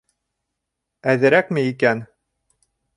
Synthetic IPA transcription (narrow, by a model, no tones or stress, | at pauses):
æðɘ̆ɾækmɘikæn